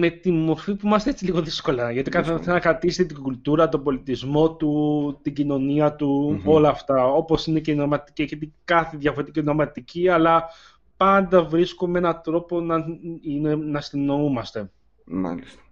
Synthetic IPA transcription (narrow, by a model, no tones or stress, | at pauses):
me̞t̪imo̞ɾfipuimɐst̪eet͡siliɣo̞ðisko̞lɐʝɐt̪ikɐθesenɐkɾɐt̪isit̪et̪iɡult̪uɾɐt̪o̞bo̞lit̪izmo̞t̪ut̪iɟino̞niɐt̪uo̞lɐːft̪ɐo̞po̞sine̞ceino̞ɾmɐt̪i̥cicet̪ikɐθeðjʝɐfo̞ɾet̪icino̞mɐt̪icʰiɐlɐ | pɐnd̪ɐvɾiskumee̞nɐt̪ɾo̞po̞nɐinenɐst̪ino̞umɐst̪e̞ | ma̰list̪ɐ̥